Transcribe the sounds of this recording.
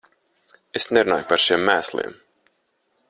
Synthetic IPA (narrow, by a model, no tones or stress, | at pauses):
esneɾunaːjpaɾʃiɛmːæːslˠḭm